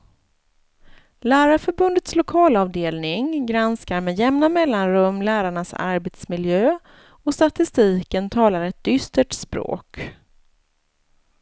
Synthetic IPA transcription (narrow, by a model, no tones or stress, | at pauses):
læːɾafœɾbɵnd̪ət̪slʊkʰɑːlɑːvd̪eːlnɪŋɡɾanskaɾmɛjɛmnamɛlːanɾɵmːlæːɾaɳasa̰ɾbɛt̪smɪljøː | ɔst̪at̪ɪst̪iːkənt̪ʰɑːlaɾɛt̪̚d̪ʏst̪əʈspɾo̰ːk